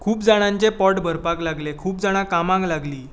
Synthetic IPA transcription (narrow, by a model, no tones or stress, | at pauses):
kʰuːpd͡zaɽ̃ãɲt͡ɕepɔʈbʱəɾpaklaɡlekʰuːp̚d͡zaɽ̃ãkamãŋklaɡliː